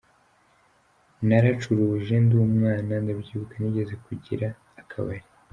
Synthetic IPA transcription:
naɾat͡ʃuɾuʒe̞nduːmŋaːnandabɟiβukaniɟe̞ze̞kuɟḭɾaː | kʰa̰βa̰ji

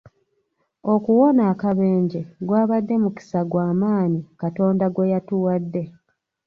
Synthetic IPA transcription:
o̞kuwo̞naːkaβeːɲɟeɡwaːβadːe̞muki̥saɡwaːmaːɲikato̞ːndaɡwe̞jatuwadːe̞

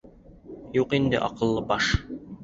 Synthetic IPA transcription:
juqind̪ɘ̰ʔɒ̰qɤ̆lˠːɤbɑʃ

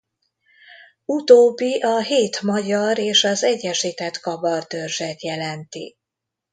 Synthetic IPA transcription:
ut̪oːbːiʔɒɦeːt̪mɒɟɒɾeːʃɒzɛɟːɛʃiːt̪ɛt̪kɒbɒrd̪ørʒɛt̪jɛlɛnt̪ḭ

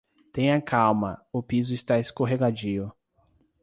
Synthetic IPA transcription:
t̪ẽj̃ɐkʰawmɐʊpizʊɪst̪aeskoɦeɡad͡ʒiʊ

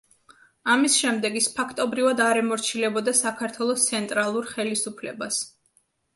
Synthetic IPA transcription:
amisʃɛmd̪ɛɡispʰakʰt̪ʼɔbɾivad̪aɾɛmɔɾt͡ʃʰilɛbɔd̪asakʰaɾt̪ʰwɛlˠɔst̪sʰɛnt̪ʼɾalˠuɾχɛlisupʰlɛ̰bas

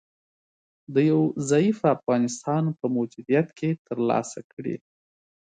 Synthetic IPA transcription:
d̪əjawzajifafɣɑnɪst̪ɑnpəmʊd͡ʒud̪ijat̪kʰet̪ʰəɾlɑ̰sakɽḭ

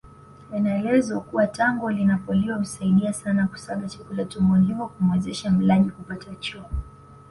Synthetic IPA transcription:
ɛnaɛlɛzwakuwataŋɡɔlinapɔliɔm̩saiɗiasanaku̥saɠat͡ʃḁkulatumɔliŋɔkumwɛzɛʃam̩laɗikupatat͡ʃɔɔ

